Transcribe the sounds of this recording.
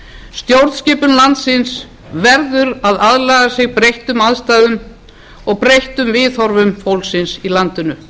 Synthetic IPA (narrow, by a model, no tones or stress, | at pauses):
st̪jowɾðscɪːpʏnlant̪sɪns | vɛɾðʏɾaðaðlaːɣasɪɣpɾejht̪ʏmaðst̪aːjðʏm | ɔɣpɾejht̪ʏmvɪːθɔɾvʏmfowlsɪnsilant̪ʏnʏ